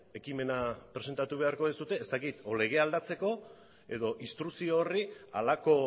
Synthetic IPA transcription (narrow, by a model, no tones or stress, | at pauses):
e̞kime̞napɾee̞nt̪at̪uβe̞aɾko̞ðisut̪e̞ːst̪akit̪ole̞ɣ̞e̞ald̪at͡se̞ko̞ | e̞̰ðo̞ʔist̪ɾusioːria̰lako̞